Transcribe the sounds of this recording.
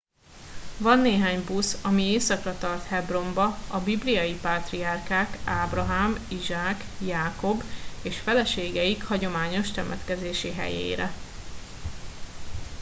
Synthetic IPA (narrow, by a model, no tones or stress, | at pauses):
vɒnːeːɦaːɲbusɒmieːsɒkrɒt̪ɒrt̪hɛbro̞mbɒɒbiblijɒjipaːt̪riɒrkaːkaːbrɒɦaːmiʒaːk | jaːko̞beːʃfɛlɛʃeːɡɛikhɒɟo̞maːɲo̞ʃt̪ɛmɛt̪kɛzeːʃiɦɛ̰jḛːɾɛ̰